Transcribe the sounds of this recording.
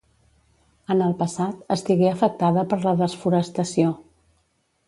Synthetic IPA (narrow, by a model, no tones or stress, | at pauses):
ənəlˠpəsat̪əst̪iɣeəfək̚t̪aðəpəɾləðəsfuɾəst̪əsio